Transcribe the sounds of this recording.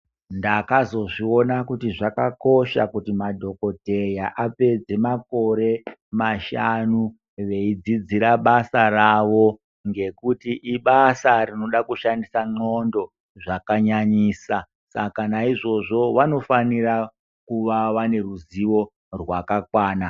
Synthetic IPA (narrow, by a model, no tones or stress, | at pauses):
ndakazo̞ʐio̞nakutiʐakako̞ʃakutimadʱo̞ko̞te̞jaʔape̞d͡ze̞mako̞ɾe̞maʃanu | ʋe̞id͡zid͡ziɾaɓasaraʋo̞ | ŋɡe̞kutiʔiɓasarino̞ɗakuʃandisaŋ͡ǃo̞ndo̞ | ʐakaɲaɲiːsa | sa̰kanaiʐo̞ʐo̞ʋano̞fanira | kuʋaʋane̞ruziʋo̞ | rwakakwaːna